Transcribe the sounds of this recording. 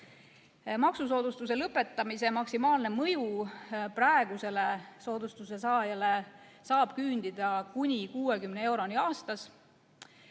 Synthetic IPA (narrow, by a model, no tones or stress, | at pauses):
mɑksus̬o̞ːd̪̥ust̪us̬e̞lɤpːˑe̞t̪ːˑɑmise̞mɑksimɑːlne̞mɤjuprɑeɡ̥use̞le̞so̞ːd̪̥ust̪use̞sɑːjɑle̞ | sɑːb̥kyːnd̪̥id̪̥ɑkunʲikuːe̞kymnee̞wɾo̞nʲiɑːst̪ɑs